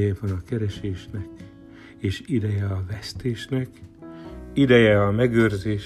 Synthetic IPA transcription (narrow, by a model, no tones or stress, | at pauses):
jɛvɒnɒkɛɾɛʃeːʃnɛk | eːʃid̪ɛjɛɒvɛst̪eːʃnɛk | id̪ɛjɛɒmɛɡøːrzeːʃ